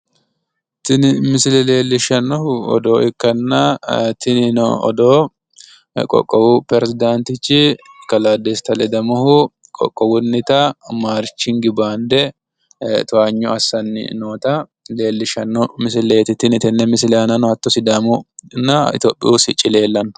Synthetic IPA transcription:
t̪ɪnɪmɪsɪlɛle̞ːlːɪʃɐnːɔhʊɔ̰d̪o̞ːɪkːɐnːɐt̪ɪnɪnɔɔ̰d̪oː | kʼɔ̰kʼːɔwʊpɾɛɾɛsɪd̪ant̪ɪt͡ʃːɪkɐlaːd̪eːst̪ɐlɛd̪ɐmɔhʊ | kʼɔ̰kʼːɔwʊnːɪt̪ɐmaːɾt͡ʃːɪŋɡɪbaːnd̪ɛ | t̪ʊaɲːɔɐsːɐnːɪ̰noːt̪ɐ | le̞ːlːɪʃɐnːɔmɪsɪleːt̪ɪt̪ːɪnɪt̪ɪnːɛmɪsɪlɛɐnɐnɔɐt̪ːɔsɪd̪ɐmʊnːɐɪ̰t̪o̰ːpʼːɪ̰usɪt͡ʃʼːɪle̞ːlːɐnɔ

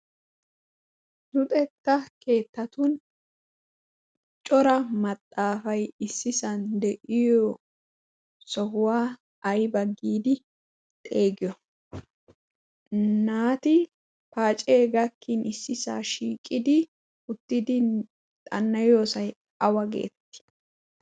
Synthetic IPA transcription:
nʊt̪ʼɛt̪ːɐke̞ːt̪ːɐt̪ʊn | t͡ʃʼɔɾɐmɐt̪ʼːaːfɐjɪsːɪsɐnd̪ɛʔɪjo | sɔhʊwaː | ɐjbɐɡːiːd̪ɪ | t̪ʼe̞ːɡɪjɔ | naːt̪ɪ | paːt͡ʃʼeːɡɐkːinɪsːɪsa̰ːʃiːkʼːɪd̪ɪ | ʊt̪ːɪd̪ɪ | t̪ʼɐnːɐjo̞ːsɐj | ɐwɐɡḛːt̪ːɪ̥

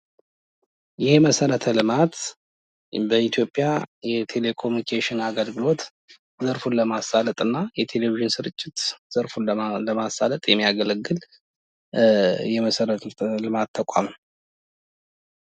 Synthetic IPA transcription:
jɛhməsəɾət̪ʰəlɨmat̪ | bəit̪ʰjo̞pʼːjajɛt̪ʰe̞le̞kʰo̞munikʰeʃɪnaɡəlɡɨlo̞t̪ | zəɾfunləmasalət̪ʼɨnːajɛt̪ʰe̞leviʒɪnsɨɾɨt͡ʃʼːɪt̪z̥əɾfunlələmasalət̪ʼjɛmːijaɡələɡːɨl | jɛməsəɾət̪ʰlɨmat̪ʰːəkʷʼa̰m

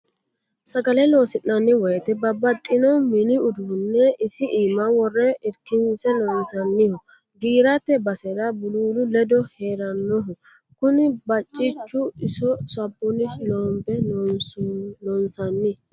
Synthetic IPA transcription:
sɐɡɐlɛlo̞ːsɪnːɐnːɪwɔjɛt̪ɛbɐbɐt̪ʼːɪnɔmɪnɪʊd̪uːnːɛɪsɪʔiːmɐwɔrːɛɪɾkːɪnsɛlɔnsɐnːɪhɔ | ɡiːɾɐt̪ːɛbɐsɛdɐbʊluːlʊlɛd̪ɔheːɾɐnːɔɦɔ | kʊnɪbɐt͡ʃʼːɪt͡ʃːʊɪsɔsɐbːʊnɪlɔːmbɛ | lɔnsɐnːɪ

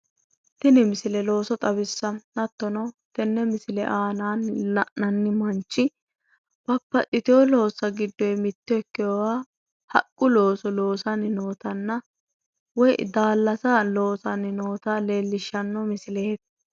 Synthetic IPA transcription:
t̪ɪnɪmɪsɪlɛlo̞ːsɔt̪ʼɐbɪsːɐnɐt̪ːɔnɐt̪ɛnːɛmɪsɪlɛ̰ʔaːnaːnɐʔnɐnːɪmɐnt͡ʃːɪ | b̥ɐpːɐtʼɪt̪ɪɔlo̞ːsɐɡɪd̪ːɔjmɪt̪ːɪɛkːɪjɔwaː | hɐ̰kʼːʊlo̞ːsɔlo̞ːsɐnɪnoːt̪ɐnːɐ | wɔj̰d̪aːlːɐsalo̞ːsɐnɪno̞ːt̪aːleːlːɪʃːɐnːɔmɪsɪleːt̪

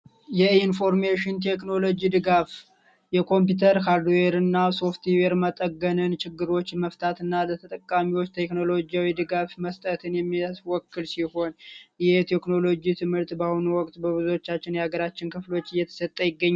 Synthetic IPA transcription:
jɛinfo̞ɾmeʃɪnt̪ʰe̞kno̞lo̞d͡ʒid̪ɨɡaf | jɛkʰo̞mp̬ut̪ʰəɾkaɾd̪eɾɨnːaso̞ft̪iweɾmət̪ʼəɡːənɨnt͡ʃʰɪɡːɨɾo̞t͡ʃːməft̪ʰat̪ɨnːalət̪ʰət̪ʼəkʼːamiwo̞t͡ʃːt̪ʰe̞kno̞lo̞d͡ʒiawid̪ɨɡafməst̪ʼət̪ʰɨnjɛmːiswɔkːɨlsiho̞njɛhet̪ʰe̞kno̞lo̞d͡ʒit̪ʰɨmhɨɾt̪bahunuwɔkʼt̪ʼbəβɨzuwot͡ʃːat͡ʃːɪnjaɡəɾat͡ʃːɪnkʰɨflo̞t͡ʃːɨjːɛt̪ʰə̥sət̪ʼːəjɪɡːəɲːa

